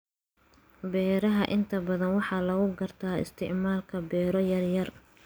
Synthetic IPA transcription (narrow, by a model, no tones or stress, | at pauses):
bɛːɾɐɦɐʔɪnt̪ʰɐbɐðɐnwɑħɑːlɐɣʊɡɐrt̪ʰaːɪ̰st̪ʰɪʕmaːlkʰɐbɛːɾɔjɐrjɐr